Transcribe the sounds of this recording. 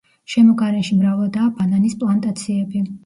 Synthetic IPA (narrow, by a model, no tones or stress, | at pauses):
ʃɛmɔɡaɾɛʃimɾavlˠad̪aːbananispʼlˠant̪ʼat̪sʰiɛbi